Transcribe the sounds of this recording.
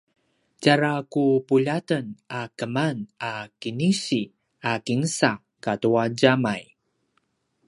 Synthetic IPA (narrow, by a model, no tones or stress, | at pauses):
caɾakupuʎatənakəmanakinisi | akiŋsa | katuaɟamaj